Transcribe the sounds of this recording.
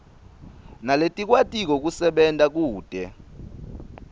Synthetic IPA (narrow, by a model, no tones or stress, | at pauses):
naletʼik̬ʼwatʼik̬ɔk̬usɛɓɛntʼak̬uːd̥ʱɛ